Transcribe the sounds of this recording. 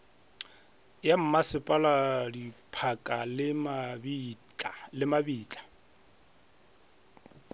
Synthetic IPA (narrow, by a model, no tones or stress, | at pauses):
jam̩masɪpʼaladipʰakʼalɪm | lɪmabiːt͡ɬʼḁ